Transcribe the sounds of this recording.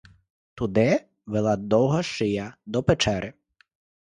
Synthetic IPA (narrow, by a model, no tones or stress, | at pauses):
t̪ud̪ɪ | ʋelˠad̪ɔwɦɐʃɪjɐd̪ɔpet͡ʃɛɾʔɪ